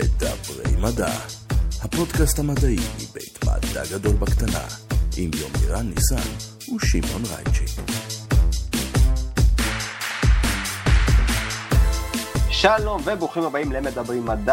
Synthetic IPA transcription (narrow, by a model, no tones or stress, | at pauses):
led̪a̰bʁḛjmada̰hapo̞dkasthamadaimḭbejt̪ma̰d̪a̰ɡado̞lbakt̪ana̰ʔimjo̞miʁanːisa̰n | uʃimonʁa̰jt͡ʃi | ʃalonvebuχimhabaimleemed̪abʁimːad̪a